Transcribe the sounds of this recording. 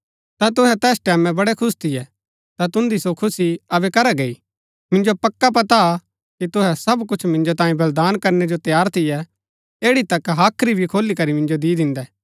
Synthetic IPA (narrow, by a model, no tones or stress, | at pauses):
t̪at̪̬ʊɦɛt̪ɛːsʈɛːmɛ̃bɐɽɛkʰʊst̪ʰɪjɛ | t̪at̪ʊ̃nd̪isokʰʊsiɐbɛkɐɾɛɡei | mɪ̃nd͡ʒopɐkːap̬ɐt̪a | kit̪ʊɦɛsɐbkʊt͡ʃʰmɪ̃nd͡ʒot̪ãːĩbɐld̪aːnkɐɾnɛd͡ʒot̪jaːɾt̪ʰɪjɛ | eːɽit̪ɐkɦaːkʰɾibʱikʰoːlikɐɾimɪ̃nd͡ʒod̪iːd̪ɪ̃nd̪ɛː